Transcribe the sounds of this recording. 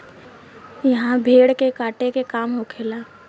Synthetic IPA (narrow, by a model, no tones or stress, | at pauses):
jɐɦãbʱeːɽkekaːʈekekaːmɦokʰeːlaː